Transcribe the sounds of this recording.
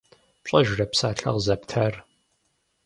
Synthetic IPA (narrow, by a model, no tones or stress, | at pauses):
ɕʼɐʒrɐpsaːɬɐ̰ʁzɐptʰɐr